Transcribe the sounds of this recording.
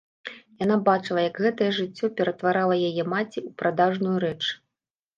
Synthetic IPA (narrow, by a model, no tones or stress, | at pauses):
janabat͡ʂɨlˠɐjɐkɣɛt̪ɐjɛʐɨt͡sʲːɔpʲɛɾɐt̪vaɾalˠɐjajɛmat͡sʲiupɾad̪aʐnujuɾɛt͡ʂ